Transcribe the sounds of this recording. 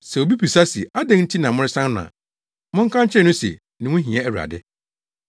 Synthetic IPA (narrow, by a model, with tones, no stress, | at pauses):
sɛ˨o˨bi˦pʰi˨sa˦si˨a˦dɛ̃˦ŋn̩˦tʰi˦nã˨mʊ̃˦ɾɪ˦sã˦nʊ̃˨ã̰˨ | mʊ̃˦ŋ̩˦kʰã˦ɲ˦t͡ɕʰɪ˦ɛ˨nʊ̃˦sɛ̰˨ | nɪ̃˨wʊ̃˦ɦĩ˨ɛ˦æ˨u˨a̰˨dɪ˦